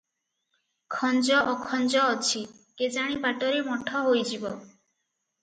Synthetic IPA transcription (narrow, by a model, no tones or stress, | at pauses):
kʰɔnd͡ʒɔʔɔkʰɔnd͡ʒɔːt͡ʃʰi | ked͡ʒaɽ̃ibaʈɔɾemɔʈʰɔɦojd͡ʒibɔ